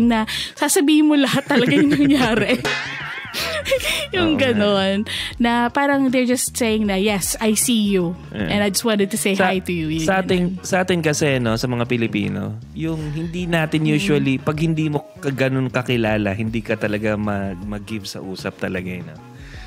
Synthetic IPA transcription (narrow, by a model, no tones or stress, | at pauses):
ŋnɐsaːsɐbiːhɪnmolɐhat̪ːɐlɐɡɐʊnɐŋjaːɾɛ | jʊŋɡɐno̞nːɐpaːɾɐŋd̪ɛɹd͡ʒɐst̪sejɪŋnɐjɛsajsiju | ʔɛ̃nɐjd͡ʒɐst̪̚wãnt̪ɛd̪̚t̪ʊsejajt̪ujuat̪ɪnsɐʔaːt̪ɪnkɐsɛno̞sɐmɐŋapɪlɪpḭːno̰ | jʊŋhɪnd̪iːnaːt̪ɪnjuːʃwɐlipɐɡ̚hɪnd̪iːmokɐɡɐnonkɐkɪlaːlɐ̰hɪnd̪iːkɐt̪ɐlɐɡamɐmɐɡɪvsɐ̰ʔuːsɐp̚t̪ɐlɐɡano